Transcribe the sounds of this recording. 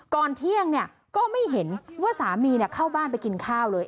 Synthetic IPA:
kɔː˧nt̪ʰi˥˩əŋni˥˩ə | kɔː˥˩ma˥˩jɦe˩˦nwaː˥˩saː˩˦miː˧ni˥˩ɐkʰaː˥˩wbaː˥˩np̬a˧jki˧nkʰaː˥˩wlɤː˧j

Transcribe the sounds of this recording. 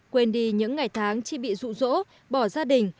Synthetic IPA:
kwe˧nɗi˧ɲɨ̰˧˥ŋːa˨˩jt̪ʰaː˨˦ŋt͡ɕi˧˩ɓḭ˧˨zṵ˧˨zo̰˧˥ | ɓɔ˧˩zaː˧ɗï˨˩ŋ̟

